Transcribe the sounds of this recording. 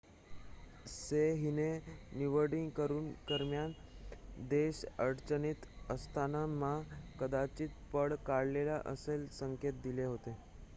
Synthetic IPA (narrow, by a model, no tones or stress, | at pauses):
seɦineniʋəɽiŋɡkəɾuːnkəɾmjan | d̪eɕəɽt͡ɕəniːt̪əst̪ʰanamakəd̪at͡ɕiːt̪̚pəɽkaɽlelaʔə̰selsəŋket̪̚d̪ileɦot̪e